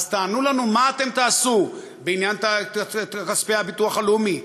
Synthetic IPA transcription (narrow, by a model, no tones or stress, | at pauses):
zt̪aːnulanumaːt̪e̞mt̪aːsu | beinjanta | kaspehabit̪uaχalumi